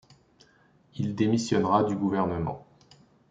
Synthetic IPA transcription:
ild̪emisjɔnʁad̪yɡuvɛʁnəmɑ̰̃

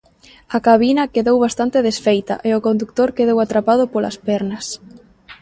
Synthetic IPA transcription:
ɐkaβinɐkeðowβast̪ant̪eðesfejt̪ɐ̰ʔeʊkõnd̪uk̚t̪oɾkeðowat̪ɾapað̞ʊpolɐ̰spɛɾnɐs

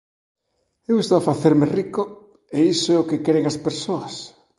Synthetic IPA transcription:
ewest̪oafaθeɾmeriko | eisoɛokekɛɾeŋaspeɾsoɐs

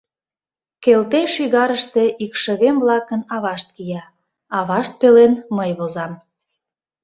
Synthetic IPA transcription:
kelt̪eʃiɣɑɾəʃt̪e̽ʔikʃəɣemvlɑkənɑβɑʃt̪̚kijɑ | ɑβɑʃt̪̚pelenməjβozɑm

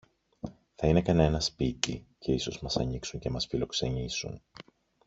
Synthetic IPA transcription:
θɐine̞kɐne̞nɐspit̪ḭcʰe̞iso̞zmɐsɐɲiksuɲce̞mɐsfilo̞kse̞ɲisṵn

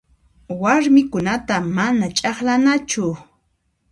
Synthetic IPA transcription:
waɾmɪkʊnat̪amanat͡ʃʼɑχlanat͡ʃʊ

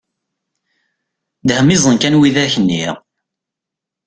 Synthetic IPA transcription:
d̪həmizˤənkænwiðæçənːiʁ

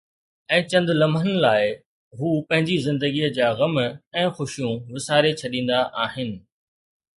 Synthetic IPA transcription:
ɛ̃ːt͡ɕɐ̃nd̪lɐmənɪlaːɪ | ɦuːpɐ̃ɦɪ̃ɲd͡ʑizɪ̃nd̪əɡiəd͡ʑaːɣɐmɛ̃ːxʊʃijũʋɪsaːɾet͡ɕʰɐɗĩːn̆d̪aʔaːɦɪnɪ̆

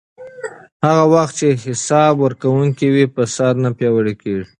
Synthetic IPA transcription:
haɣawaxt̪̚t͡ʃeɦɪsɑbwəɾkawuŋkiwipəsad̪napjɑwəɽekeʐi

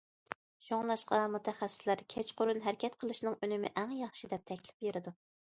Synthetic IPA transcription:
ʃoŋlˠɑʃqɑmut̪ʰɛχɛsːɪ̥slæɾkʲʰɛt͡ʃqʰoɾunɦæɾɪkʲʰɛt̪qʰəlˠɨʃnɨŋønɪmɪ̰ʔæŋjɑχʃid̪ɛp̚t̪ʰɛkʲlɪ̥pjeɾɪd̪u

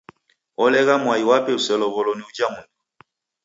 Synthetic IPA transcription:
ɔlɛɣamwaiwapɛusɛlɔβɔlɔniud͡ʒamundu

